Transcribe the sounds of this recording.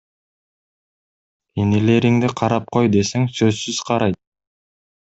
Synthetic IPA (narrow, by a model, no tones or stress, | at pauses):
enele̞ɾiŋd̪iqʰɑɾɑp̚qʰo̞jd̪e̞seŋsø̞zsyz̥qʰɑɾɑjt̪̚